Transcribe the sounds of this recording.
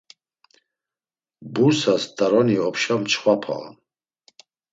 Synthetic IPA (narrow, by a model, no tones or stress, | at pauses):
busastʰʼaɾoniwapʰʃamt͡ʃʰχʷapʰa̰la̰